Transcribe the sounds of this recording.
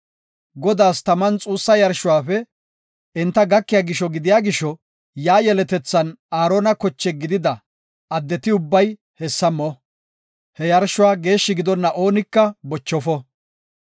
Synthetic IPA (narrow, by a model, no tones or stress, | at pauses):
ɡɔd̪aːst̪ɐmɐnt͡sʼuːsːɐjɐɾʃʊwaːfɛ | ɪnt̪ːɐɡɐkːɪjaːɡɪʃːɔɡɪd̪ɪjaːɡɪʃɔ | jaːjɛlɛt̪ɛt͡sːɐnaːɾoːnɐkɔt͡ʃːɛɡɪd̪ɪd̪ɐ | ɐd̪ːɛt̪ɪʊbːɐj | hɛsːɐmɔ | hɛjɐɾʃʊwaːɡe̞ːʃːɪɡɪd̪ɔnːɐʔo̞ːnɪkːɐbɔt͡ʃːɔfɔ